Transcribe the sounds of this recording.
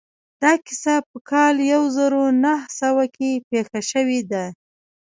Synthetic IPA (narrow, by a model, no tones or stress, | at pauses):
d̪̥ɑkɪ̥sapəkʰɑljawzəɾonahsawakepexaʃəwed̪a